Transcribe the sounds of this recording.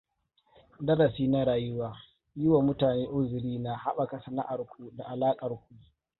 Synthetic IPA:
dɐ˦ɾɐ˨siː˦na˦ɾaː˨jʊ˦waː˦ | jʊ˦wa˨mʊ˦taː˨neː˦ʔʊ˦zɪ˨ɽiː˦na˨ha˦ɓa˨kɐ˨sɐ˨na̰˦ʔa˨rkʷu˦da˨ʔa˨laː˦kʼɐ˨rkʷu˦

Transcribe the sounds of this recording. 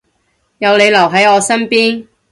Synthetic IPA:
jɐ˨˧wle˨˧jlɐ˨˩wɦɐ˨˥jɔː˨˧sɐ˥npiː˥n

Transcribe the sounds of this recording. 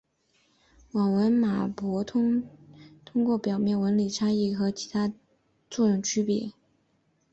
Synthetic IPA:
wɑ˨˩ŋwə˧˥nma˨˩pwɔ˧˥t̪ʰʊ˥ŋt̪ʰʊ˥ŋkwɔ˥˩pjɑ˨˩ʊmjɛ˥˩nwə˧˥nli˨˩ʈ͡ʂʰa˥i˥˩xɤ˧˥t͡ɕʰi̥˧˥t̪ʰa˥ | t͡su˥˧ɻʊ˥˩ŋt͡ɕʰy˥pɛ̰˨˩˦

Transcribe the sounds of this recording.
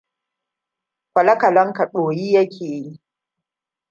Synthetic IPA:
kʷɐ˨lɐ˦kɐ˨lɐ˦ŋka˨ɗoː˨jiː˦jɐ˦kʲʰeː˨ji˦

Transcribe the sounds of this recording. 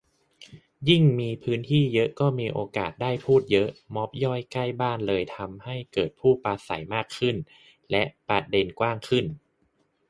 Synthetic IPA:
ji˥˩ŋmiː˧pʰɯː˦˥nt̪ʰiː˥˩jɤ˦˥ʔkɔː˥˩miː˧ʔoː˧ka̰ː˨˩t̪̚daː˥˩jpʰuː˥˩t̪̚jɤ˦˥ʔmɔ˦˥p̚jɔ˥˩jka˥˩jbaː˥˩nlɤː˧jt̪ʰa˧mha˥˩jkɤː˨˩t̪̚pʰuː˥˩paː˧sa̰˩˦jmaː˥˩kʰːɯ˥˩n | lɛ˦˥ʔpɾa˧t̪̚de˧nkwaː˥˩ŋkʰɯ˥˩n

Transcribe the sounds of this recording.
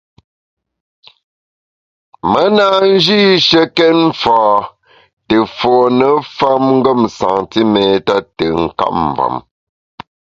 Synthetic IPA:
mə˦na˦˨n̩˦d͡ʒi˦ʃə˦kɛ˦ɱ˦faː˨ | tə˨fɔː˨nə˨fa˦mŋ̩˦ɡə˦˨msa˨ŋti˦mɛ˨ta˦tə˨ŋ̩˦ka̰˦ʔ̚m˨va̰˨m

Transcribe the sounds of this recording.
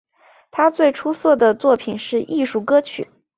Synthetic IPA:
t̪ʰa˥t͡swe˥˩ɪʈ͡ʂʰu˥sɤ˥˩d̪ə˩t͡swɔ˥˩pʰi˨˩nʂɻ̩˥˧ʔi˥˧ʂu˥˩kɤ˥t͡ɕʰy̰˨˩˦

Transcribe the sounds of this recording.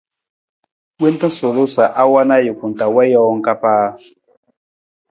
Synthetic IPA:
we˦n˦tã˦so˨lo˦sa˨ʔa˦wa˦na˦ji˨ku˨n˨ta˨wɛ˦jɔ˦wɔ˦ŋ˦ka˦paː˦

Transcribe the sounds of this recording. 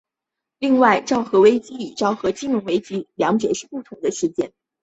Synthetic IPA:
li˥˧ŋwa˥˧ɪʈ͡ʂɑ˥˩ʊxɤ˧˥we˥ɪt͡ɕi˥i˨˩ʈ͡ʂɑ˥˩ʊxɤ˧˥t͡ɕi˥nʊ˧˥ŋwe˥ɪt͡ɕi˥ljɑ˧˥ŋt͡ɕjɛ̰˨˩ʂɻ̩˥˧˩pu˥˩t̪ʰʊ˧˥ŋd̪ə˧ʂɻ̩˥˧t͡ɕjɛ̰˥˩n

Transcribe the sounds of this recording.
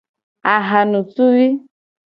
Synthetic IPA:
a˨ɦa˨nu˨tu˦vi˦

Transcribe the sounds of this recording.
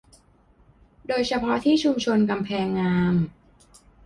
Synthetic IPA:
doː˧jt͡ɕʰa˧pʰɔ˦˥t̪ʰiː˥˩t͡ɕʰu˧mt͡ɕʰo˧nka˧mpʰɛː˧ŋːaː˧m

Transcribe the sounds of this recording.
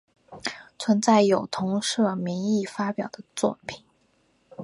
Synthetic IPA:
t͡sʰwə˧˥nt͡sa˥˩ɪjo˨˩ʊt̪ʰʊ˧˥ŋʂɤ˥˩mi˧˥ŋi˥˩fa˥pjɑ˨˩ʊd̪̥ə˦t͡swɔ˥˩pʰi̥˨˩˦n

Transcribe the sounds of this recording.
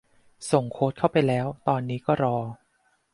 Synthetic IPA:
so˨˩ŋkʰoː˦˥t̪̚kʰa˥˩wpa˧jlɛː˦˥wt̪ɔː˧nːiː˦˥kɔː˥˩ɾɔː˧

